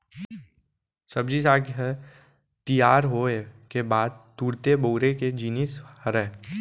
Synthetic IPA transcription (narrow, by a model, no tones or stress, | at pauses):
sɐbd͡ʒisaːɡɦɛ | t̪ijaːɾɦoekebaːd̪̚t̪uːɾt̪eboːɾeked͡ʒiːnishəɾɛː